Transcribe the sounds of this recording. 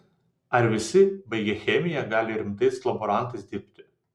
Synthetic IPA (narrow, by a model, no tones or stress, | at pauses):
ɐɾʋʲɪsʲɪbɐɪɡʲɛxʲɛmʲɪjɛɡɑːlʲɪɾʲɪmt̪ɐɪslˠɐbɔɾɑˑnt̪ɐɪsd̪ʲɪɾʲpʲt̪ʲɪ̥